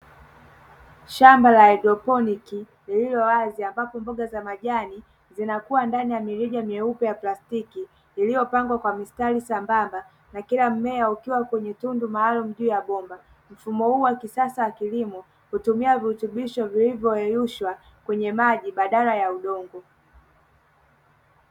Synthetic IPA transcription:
ʃambalaɛdɾɔpɔniki | lililɔwaziambapɔmbɔɠazamaʄani | zinakuwandanijamiɾiʄamiɛupɛjaplastiki | lilijɔpaŋɡwakwamistalisambamba | nakilam̩mɛaukiwakwɛɲɛtundumaːlum̩ʄuːjaɓɔmba | m̩fumɔhuːwakisasawakilimɔ | hutumiaviutuɓiʃɔvilivjɔɛjuʃwa | kwɛɲɛmaʄiɓaɗalajauɗɔŋɡɔ

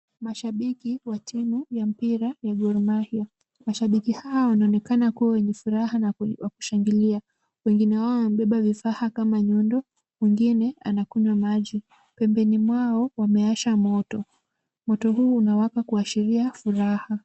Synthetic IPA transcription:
maʃaɓikiwatʰimujam̩piɾajaɡɔɾmahiɔ | maʃaɓikihawawanaɔnɛkanakuwawɛɲɛfuɾahawaku̥ʃaŋɡilia | wɛŋɡinɛwaɔwanam̩ɓɛɓavifahakamaɲɔndɔ | mwiŋɡinɛa̰nakuɲwamaʄi | pɛmbɛnimwaɔwamɛaʃamɔtɔ | mɔtɔɦuːnawakakuaʃiɾiafuɾaha

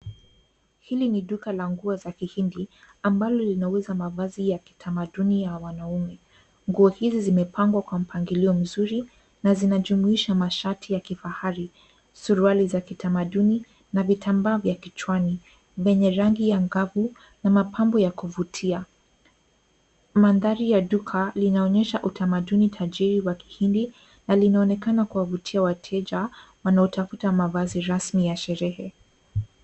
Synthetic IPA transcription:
hiliniɗukalaŋɡuazakihindi | ambalɔlinawɛzamavazijaki̥tʰamaɗunijawanaumɛ | ŋɡuɔhizizimɛpʰaŋɡwakwam̩pʰaŋɡiliɔm̩zuɾi | nazinaʄumuiʃamaʃatʰijakifahaɾi | suɾualizakitamaɗuni | navitʰambaːvjakit͡ʃwani | vɛɲɛɾaŋɡijaŋɡavu | namapʰambɔjakuvutʰia | manðaɾijaɗukʰalinaɔɲɛʃaʔutamaɗunitʰaʄiɾiwaki̥hindi | nalinaɔnɛkanakuwavutʰiawatʰɛʄawanaɔtafutamavaziɾasmijaʃɛɾɛhɛ

